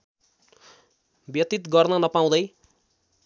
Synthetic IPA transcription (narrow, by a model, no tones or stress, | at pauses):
bjʌt̪it̪ɡʌrnʌnʌpaw̃d̪ʌj